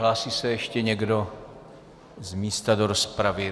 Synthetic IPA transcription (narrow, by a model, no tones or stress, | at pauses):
laːsiːsɛjɛʃcɛɲɛɡdo̞ | zmiːst̪adoɾospɾavɪ